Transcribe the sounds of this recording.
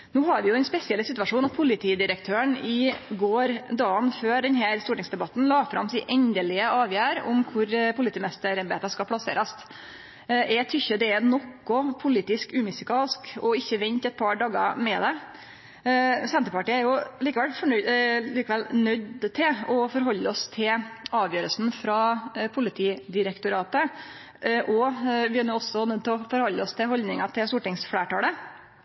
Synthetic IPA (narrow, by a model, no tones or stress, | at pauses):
nuːhɑɾʋɪjʊɛnspɛsɪɛlsɪt̪ʉʋɑʂuːnɑt̪̚pʰʊlɪt̪ʰiːd̪ɪɾəkt̪ʰøːəɳɪɡoːɾd̪ɑːənføːɖɛnɦæːɾst̪uːʈɪŋsd̪ɛbɑt̪ːn̩lɑːfɾɑ̰msɪːʔɛɲd̪əlɪəɑːʋjæːɾʊ̰mkʰʊɾpʰʊlɪt̪iːmɛst̪əɾɑɾbḛːt̪ɑskɑpʰlɑsḛːɾɑst̪ | ɛt̪ʰʏçːəd̪ɛɛnɔkːɔpʰʊliːt̪ɪskʉːmɪsɪkʰɑːlskɔɪçːəʋɛnt̪ɛt̪̚pʰɑɖɑːɡɑ̰mɛd̪ɛ | sɛnt̪ɾəpɑʈiːəæɾjʊliːkəʋɛlfɔɳliːkəʋɛlnœd̪t̪ʰɪlɔfɔɾɦɔlːəɔst̪ʰɪlɑːʋjøːɾəlsn̩fɾɑːpʰʊlɪt̪ʰiːd̪ɪɾəkt̪ʊɾɑːt̪ə | ʔɔʋɪænuːɔsːɔnœd̪̚t̪ʰɛɔfɔɾhɔlːəɔst̪ʰɪhɔlnɪŋɑt̪ʰɪst̪uːʈɪŋsfleːʈɑːlə